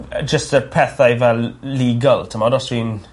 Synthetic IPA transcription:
d͡ʒəstəpʰɛθajvɛlːiːɡaltʰəmɔdɔswiːn

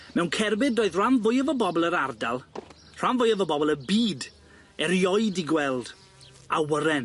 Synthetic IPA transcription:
mɛwnkʰɛrbɪdoːɨðr̥anvʊjəvɔbɔbɔlˠəɾardalˠ | r̥anvʊjəvɔbɔbɔlˠəbiːd | ɛɾjɔɨdiɡwɛlˠd̥ | awəɾɛn

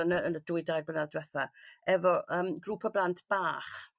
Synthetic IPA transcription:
ənəənədʊɨdajbənaðdwɛθaɛvɔʔəːmɡruːpʰɔblˠantʰb̥aːχ

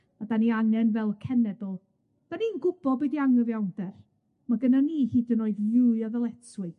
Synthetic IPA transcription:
adaniaŋɛnvɛlˠkʰɛnɛdəlˠ | d̥aniːnɡʊbɔdbɛdiaŋəvjawnd̥ɛr | maɡənaniːhiːdənoɨduɨaðəlˠɛtʰwɨ

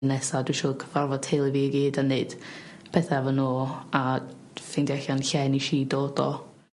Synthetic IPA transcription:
nɛsadwiʃuːkʰəvarvɔtʰejlˠiviːəɡiːdanːɨd̥pʰɛθɛvɔnoːa | fɪndɛɬanɬɛniʃiːdoːd̥ɔ̰

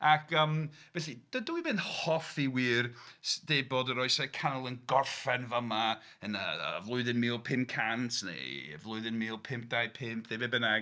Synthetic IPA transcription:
akʰəːmvɛɬid̥ədəwimɪnhɔfiwiːrsd̥eːbɔdəɾɔɨsɛkʰanəlˠənɡɔrfɛnvəma | ənə̰əvlˠʊɨðɪnmɪːlˠpʰɪmkʰantʰnḛə̰vlˠʊɨðɪnmɪlˠpʰɪmp̚d̥ajpʰɪmpʰðebebənaɡ

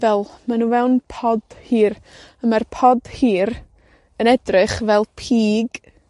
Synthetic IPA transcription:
vɛlˠmanuvɛwnpʰɔd̥hiːɾəmarpʰɔd̥hiːɾ | ənɛdrɨχvɛlˠpʰiːɡ

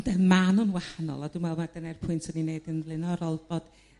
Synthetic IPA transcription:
ndɛmanənwahanɔ̰lˠɔdumwɛlˠmadənɛrpʰʊɨntʰɔnineɨdənlˠɪnɔɾɔlˠbod̥

